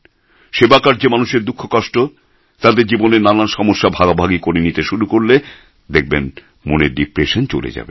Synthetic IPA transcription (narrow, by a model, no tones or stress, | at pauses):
ʃebakaɾd͡ʑemanuʃeɾd̪ukʰːokɔʃʈo | t̪ad̪eɾd͡ʑiboneɾnananʃɔmoʃːabʱaɡabʱaɡikoɾenit̪eʃuɾukoɾle | d̪ek̚ʰben | moneɾɖipɾeʃont͡ɕo̰lḛd͡ʑa̰bḛ